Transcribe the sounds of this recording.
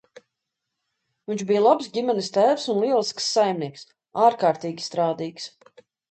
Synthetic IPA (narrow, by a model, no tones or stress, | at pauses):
vinʲt͡ʃbijlˠabsɡʲimʲɛnist̪æːvsunliɛlˠisksːajmniɛks | aːɾkaːɾt̪iːɡʲi̥st̪ɾaːd̪iːks